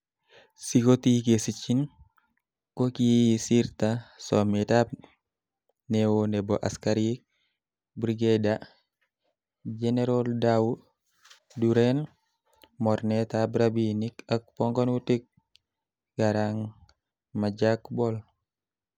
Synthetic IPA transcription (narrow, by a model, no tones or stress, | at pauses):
siɡotikesit͡ʃin | kokisiɾtasɔmɛtap̚ | newonɛbɔʔaskaɾik̚ | bɾiɡeda | d͡ʒɛnɛɾɔldawu | duɾɛn | mɔɾnɛtabɾabinikak̚pɔŋɡɔnwutik̚ | ɡ̥aɾaŋ | mad͡ʒakbɔl